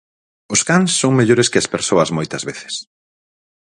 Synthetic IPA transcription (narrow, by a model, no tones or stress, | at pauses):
ʊskaŋsːoŋmeʎoɾɪskɪɐspeɾsoɐzmojt̪ɐzβeθɪ̥s